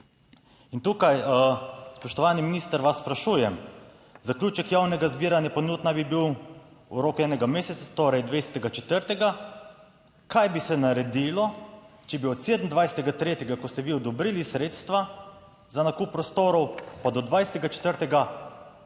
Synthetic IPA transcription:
int̪uːkaj | spɔʃt̪ɔʋaːniminist̪əɾʋasːpɾaʃuːjɛm | zaklʲjuːt͡ʃɛkjawnɛɡazbiːɾanjapɔnuːd̪nabibiwuɾoːkɛːnɛɡameːsɛt̪sat̪oːɾɛjd̪ʋesɛ̥t̪ɛɡat͡ʃɛt̪əɾt̪ɛɡa | kajbisɛnaɾɛd̪ilɔ | t͡ʃɛbiɔt̪seːd̪n̩d̪ʋajsɛt̪ɛɡat̪ɾeːt̪ɛɡakɔst̪ɛʋiɔd̪ɔbɾiːlisɾeːt̪st̪ʋa | zanakuːpːɾɔst̪oːɾɔwpad̪ɔd̪ʋajsɛ̥t̪ɛɡat͡ʃɛ̥t̪əɾt̪ɛɡa

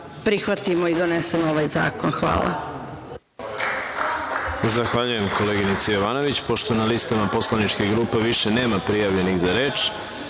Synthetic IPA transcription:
pɾixʋat̪imoid̪onesemoʋajza̰ːko̞nxʋa̰ːlˠa̰ | zaxʋaʎuje̞mko̞leːɡinit̪sejoʋaːno̞ʋit͡ɕpo̞ʃt̪o̞nalist̪amapo̞slˠanit͡ʃkeɡɾuːpe̞ʋiʃene̞ːmapɾijaʋʎe̞niɣzaɾe̞ːt͡ʃ

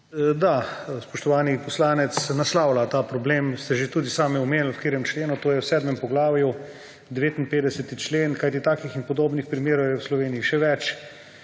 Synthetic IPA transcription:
d̪aspɔʃt̪ɔʋaːnipɔslaːnɛt̪snaslaːwlat̪aːpɾɔblemst̪ɛʒet̪uːd̪isaːmjɛɔmeːnlwkeːɾjɛmt͡ʃleːnut̪oːjɛwsɛːd̪mɛmpɔɡlaːʋju | d̪ɛʋeːt̪inpeːd̪ɛsɛt̪it͡ʃleːnkajt̪it̪aːkixinpɔd̪oːbnixpɾimeːɾɔwjɛwslɔʋeːniiʃɛʋɛt͡ʃ

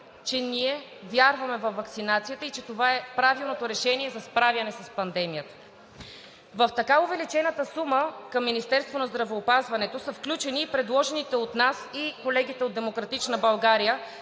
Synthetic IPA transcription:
t͡ʃɛniɛ | vʲjaɾvɐmɛvɐfːɐkt̪sinat̪sijət̪əit͡ʃɛt̪ovaɛpɾavilˠnot̪oɾɛʃɛniɛzɐspɾavʲjɐnɛsɐspɐnd̪ɛmijət̪ə̥ | vəft̪ɐkaovɛlit͡ʃɛnət̪əsuməkɐmːinist̪ɛɾst̪vonɐzd̪ɾɐvɛːpazvɐnɛt̪osɐfklʲut͡ʃɛniːpɾɛd̪lˠɔʒɛnit̪ɛot̪nasikolɛɡ̟it̪ɛod̪d̪ɛmokɾɐt̪it͡ʃnəbɐlˠɡaɾijə

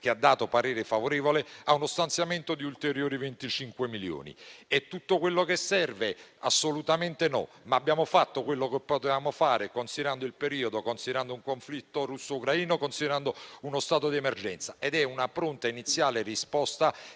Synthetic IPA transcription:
k̟ead̪ːaːt̪opaɾeːɾefavoɾeːvoleaunost̪ant̪sjament̪od̪iult̪eɾjoːɾivent̪it͡ʃiŋkwemiljo̰ːnḭet̪ːut̪ːokwelːokesːɛrveasːolut̪ament̪enɔ̰ | maːbːjaːmofat̪ːokwelːokepːot̪evaːmofaːɾɪkonsid̪eɾand̪oilpeɾiːod̪okonsid̪eɾand̪ouŋkoɱflit̪ːorusːoukɾaiːnokonsid̪eɾand̪ounost̪aːt̪od̪iɛmerd͡ʒɛnt̪saed̪ɛunapɾont̪ainit̪sːjaːlerispɔst̪a

